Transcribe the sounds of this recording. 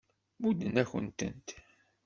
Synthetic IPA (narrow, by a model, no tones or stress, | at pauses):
mud̪ənæçə̰nt̪ə̰nt̪